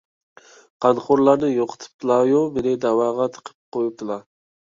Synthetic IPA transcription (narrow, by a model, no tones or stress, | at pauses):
qʰɑnχoɾlˠɑɾnɨjoqʰə̥t̪ʰɨ̥p̚t̪ʰɨlˠɑjomɪnɪd̪ɑwɑʁɑt̪ʰə̥qʰə̥p̚qojup̚t̪ʰɨlˠɑ